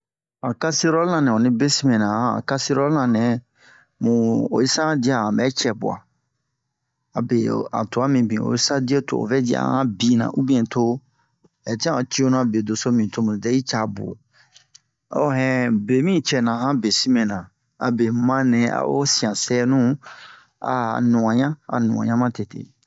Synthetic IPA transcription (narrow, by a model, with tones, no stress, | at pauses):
a˨ka˦si˦ɾɔ˦lnã˨nɛ̃˨o˨nĩ˦be˦si˦mẽ˨nã˨ã˨a̰˨ka˦si˦ɾɔ˦lnã˨nɛ̃˨ | mũ˨o̰˨i˦sã˦di˦a˨ã˨mbɛ˦t͡ʃɛ˨bṵ˨a̰˨ | a˨be˨a̰˨to˨a˦mĩ˨bĩ˨o̰˨i˦sa˦di˦e˦to̰˨o̰˨vɛ˦di˦a̰˦˨˦hã˦bĩ˨nã̰˨ʔu˦bĩ˦ɛ̃˨to˦ | ɛ˨ti˦ã˦ɔ˨t͡ɕʰi˦o˦nũ˦a˨be˨do˨so˦mĩ˨tʰo˦mũ˨dɛ˦i˦t͡ʃa˨bʊ̰˨ | ɔ˦˨ɦɛ̃˦be˨mĩ˦˨t͡ʃɛ˨nã˨ɦã˦be˨si˦mẽ˨nã˨ | a̰˨be˨˦mã˦nɛ̃˨a̰˨wo̰˦si˨ã˨sɛ˦nũ˦ | a̰˦˨nũ˨ã˨ɲã˦a̰˨nṵ̃˨ã̰˨ɲã˦mã˦tʰe˨tʰḛ˨